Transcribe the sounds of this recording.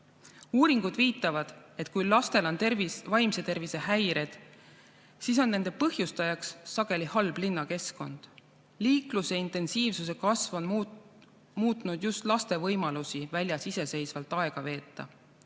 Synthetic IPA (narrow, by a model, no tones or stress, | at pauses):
uːɾiŋɡ̥ud̪̥viːt̪ːˑɑvɑd̪̥e̞t̪kujlɑst̪e̞lo̞nt̪ervivɑjmse̞t̪e̞rvise̞hæjɾe̞d̪̥ | sis̬o̞nːe̞nd̪epɤhjust̪ɑjɑksːɑɡ̥e̞lihɑlblinːɑke̞sko̞̰nd̪̥ | liːkluseint̪ˑe̞nsiːvsuse̞kɑsvo̞n | muːt̪ːˑnud̪̥just̪lɑst̪e̞vɤjmɑlusivælʲjɑsise̞se̞jsvɑlt̪ːˑɑe̞ɡ̥ɑve̞ːt̪ːˑɑ̰